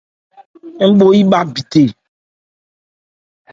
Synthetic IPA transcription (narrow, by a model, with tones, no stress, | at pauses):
ŋ̩˦ɡ͡bo˦ji˦ɓa˦bi˨t̪e˨